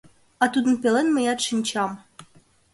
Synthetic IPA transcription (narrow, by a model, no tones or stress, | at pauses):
ɑt̪ud̪ə̆npʲelˠenmĕjɑt̪ʂɨnʲt͡ɕɑm